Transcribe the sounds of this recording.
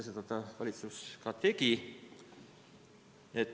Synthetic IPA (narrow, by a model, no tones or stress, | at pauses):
set̪ɑt̪ːɑvɑlʲit̪suskɑt̪e̞ɡi | et̪ː